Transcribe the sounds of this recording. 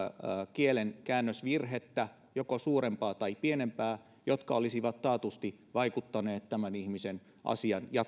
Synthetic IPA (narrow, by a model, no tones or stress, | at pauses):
kielenkæːnːøsʋirɦet̪ːæ | jokosuːɾempɑːt̪ɑipienempæː | jot̪kɑolisiʋɑt̪tɑːt̪ust̪iʋɑikut̪ːɑneːt̪tæmænihmisen | ʔɑ̰siɑnjɑ